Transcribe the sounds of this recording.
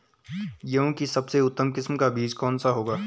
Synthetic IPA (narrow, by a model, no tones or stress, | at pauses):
jɐɦũkisɐbseʊt̪ːəmkɪsmkabiːd͡ʒkɔːnsaɦoːɡaː